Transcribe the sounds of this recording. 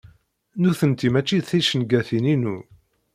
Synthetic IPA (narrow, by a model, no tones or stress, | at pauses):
nuθənt̪imæt͡ʃːiθiʃənɡæθininu